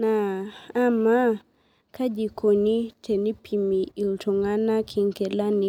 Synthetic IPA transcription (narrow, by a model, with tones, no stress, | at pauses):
naː˨˦ | ma˦ | kʰa˦d͡ʒi˨kʰo˨ni˦tʰe˨ni˦pʰi˨mi˨i˨ltɔ˨ŋa˦na˦kʰi˨ŋkɛ˨la˦ni˨